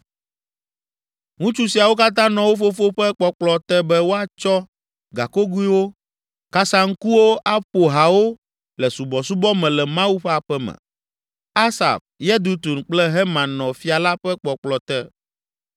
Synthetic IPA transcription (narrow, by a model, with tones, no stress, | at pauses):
ŋũ˦t͡ʃu˦si˨a˨wo˦ka˦t̪̬ã˦nɔ̃˨wo˦fo˦fo˦ɸɛ˦k͡pɔ˨k͡plɔ˨t̪ɛ˦bɛ˦wo˦a˨t͡ʃɔ˦ | ɡa̰˨ko˦ɡu˦i˦wo˦ | ka˦sa˨ŋ̩˦ku˦wo˦ʔa˦ɸo˨ɦa˨wo˦ | lɛ˨su˨bɔ˨su˦bɔ˦mɛ̃˨lɛ˨mã˦wu˦ɸe˦a˨ɸɛ˦mɛ̰̃˨ | a˦sa̰˨fjɛ˦d̪u˦t̪u˨nk͡plɛ˦ɦɛ˦mã˨nɔ̃˨fi˦a˨la˦ɸɛ˦k͡pɔ˨k͡plɔ˨t̪ɛ˦